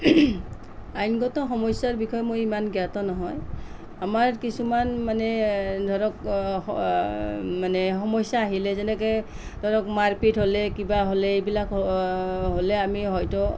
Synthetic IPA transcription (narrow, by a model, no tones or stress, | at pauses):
ajnɡɔtɔxɔmɔjsaɹbikʰɔjmojimanɡjatɔnɔɦɔj | amaɹkisumanmanɛdʱɔɹɔk | manɛxɔmɔjsaːɦilɛzɛnɛkɛj | dʱɔɹɔkmaɹpitɦolɛkibaɦolɛejbilak | ɦolɛamiɦɔjtɔ